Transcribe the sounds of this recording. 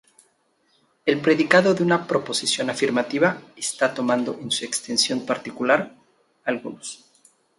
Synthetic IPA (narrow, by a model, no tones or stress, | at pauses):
e̞lpɾe̞ðikaðo̞ðeunapɾo̞po̞sisjo̞nafiɾmat̪iβaest̪at̪o̞mãnd̪o̞ʔensue̞kst̪e̞nsjo̞mpaɾt̪ikulaɾ | alɣunos